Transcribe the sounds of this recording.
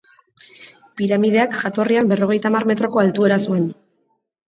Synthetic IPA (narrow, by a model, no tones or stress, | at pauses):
piɾamið̞e̞akʝat̪o̞riambe̞ro̞ɣ̞e̞jt̪amarme̞t̪ɾo̞ko̞alt̪ue̞ɾasue̞n